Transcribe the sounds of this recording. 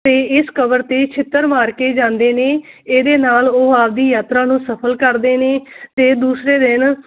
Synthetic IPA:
t̪eːɪskəbəɾt̪eːt͡ʃʰɪt̪ːəɾmaːɾkeːd͡ʒãːnd̪eːneːeːd̪eːnaːloːaːb̚d̪iːjaːt̪ɾãːnũːsəpʰəlkəɾd̪eːneːt̪eːd̪uːsɾeːd̪ɪn

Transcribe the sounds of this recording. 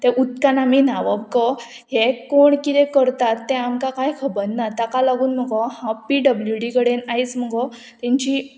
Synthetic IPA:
t̪ɛʔut̪kanaminaʋəbkɔ | ɦekoɳkit̪ɛ̃kəɾt̪at̪ːɛ̃amkakajkʰəbənːat̪akalaɡuːnm̤əɡɔhãpiɖəbljuɖikəɽenajt͡sm̤əɡɔ | t̪ɛ̃ɲt͡ɕi

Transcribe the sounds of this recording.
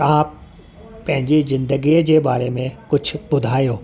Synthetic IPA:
t̪ɐʋ̤ã | pɐ̃ɦɪ̃ɲd͡ʑizɪ̃nd̪əɡiːd͡ʑeːbaːɾemẽkʊd͡ʑʱʰʊ̆bʊd̪ʱaːjoː

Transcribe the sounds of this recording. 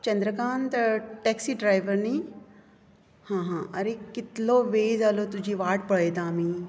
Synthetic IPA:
t͡ɕɐ̃nd̪ɾəkaːnt̪ɐʈɛːksiːɖɾaːɪʋəɾnĩː | hãːɦãːʔɐɾekɪt̪loʋeːzaːlot̪ʊd͡ʑʱiʋaːʈpɐɽeːd̪aːmĩː

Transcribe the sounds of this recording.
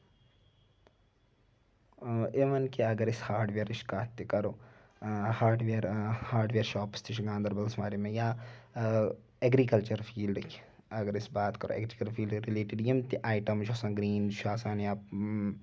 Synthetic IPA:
emɐnkiɐɡɐɾɪshaːɾɖʋeːɾɪʃkaːt̪ːikɐɾoː | haːɾɖʋeːɾhaːɾɖʋeːɾʃaːpst̪ʰiʃɡãːnd̪ɐɾbɐlsmaːɾimẽja | ɛɡɾikɐlt͡ʃɐɾfʰiːlɖki̥ | ɐɡɐɾɪsbaːt̪kɐɾo̰ːʔɛ̰ɡɾikɐlfʰiːlɖɾileːʈɪɖjimt̪iʔaːjʈɐmd͡ʒosãːɡɾiːnʃaːsaːnaːp

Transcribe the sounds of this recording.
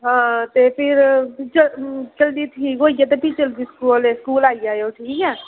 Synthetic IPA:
ɦãːt̪epʰɪɾt͡ʃət͡ʃəld̪it̪ʰiːkoːijat̪̬epit͡ʃəld̪iskuːleskuːlaːid͡ʒajoʈʰiːkɛː

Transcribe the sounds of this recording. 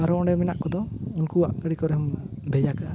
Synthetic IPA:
aɾuɔɳɖɛmɛna̰ʔkɔd̪ɔunkua̰ʔkəɽikɔɾm | bʱɛjaka

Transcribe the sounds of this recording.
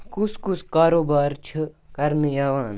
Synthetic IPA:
kuskuskaːɾoːbaːɾt͡ʃʰɨkɐɾnijaːʋaːn

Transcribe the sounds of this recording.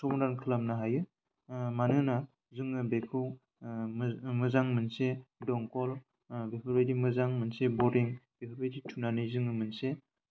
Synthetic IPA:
sɔbɔndankʰɯlamnaɦajɯ | manɯna | zɯŋɯbekʰɯw | mɯzaŋmɯnsedɔŋkɔl | bepʰɯɾbedimɯzaŋmɯnsebɔɾiŋb̥epʰɯɾbejditʰunanɯzɯŋɯmɯnse

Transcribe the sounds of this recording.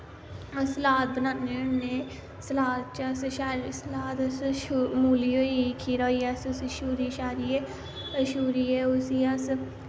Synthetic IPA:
əsəlaːt̪̚bənaːneːʊnneː | səlaːt̪̚t͡ʃəsʃaːɾsəlaːt̪əsʃumuːliːoːikʰiːɾɔːiːəsʊsiʃuːɾiːʃaːɾiːeː | əʃuːɾiːeːʊsiəs

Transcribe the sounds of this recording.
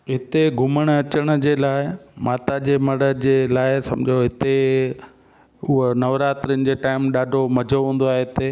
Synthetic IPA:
ɦɪt̪eɡʱʊməɽ̃ɐt͡ɕəɽ̃əd͡ʑeːlaːɪmaːt̪ad͡ʑeːmɐɽəd͡ʑelaːɪsɐ̰̃md͡ʑʱjoɦɪt̪e | ʊɦonɐʋɾaːt̪ɾiʊnɪ̆d͡ʑeːʈaːɪmɗaːɖʱomɐd͡ʑʱoɦũːn̆d̪oaːɦeɦɪt̪e

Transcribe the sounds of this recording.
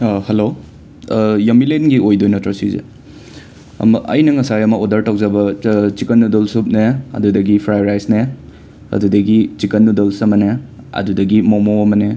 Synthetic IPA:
hɐlo | jɐmilenɡiojdojnɐtɾɐsizḛ | ɐ̰mɐʔɐjnɐŋɐsajɐmɐodɐɾtaw̚zɐbɐt͡ʃikɐnːudolsup̚neɐ̰dudɐɡipʰɾajɾajsne | ɐ̰dudɐɡit͡ʃikɐnːudolsɐmɐne | ɐ̰dudɐɡimomowɐmɐne

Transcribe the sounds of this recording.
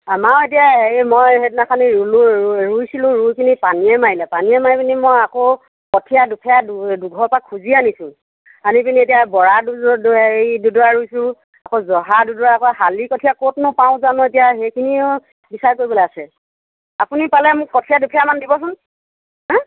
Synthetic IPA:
amaet̬ijaemojetnakʰaniuluɹujsilʊ̃ɹujkʰinipaniɛmaɹilɛpaniɛmajpinimojako | kɔtʰijadukʰɛjadduɡʱɔpakʰːuzianisʊ̃ | anipinietijabɔɹaduejdudɔɹaɹujsʊ̃ | akozɔɦadudɔɹaakɔɦalikɔtʰijakotnʊpãʊ̃zanɔetijaɦekʰiniʊ | bisaɹkoɹiboleasɛ | apunipalɛmʊkːɔtʰiadupʰijamandibɔsʊn | ɦɛ̃

